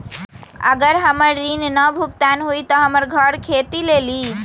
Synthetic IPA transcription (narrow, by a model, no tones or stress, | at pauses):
ə̰ɡəɾɦəməɾːinnəbʱuk̚t̪anɦujt̪ɔɦəməɾɡʱəɽkʰet̪ileli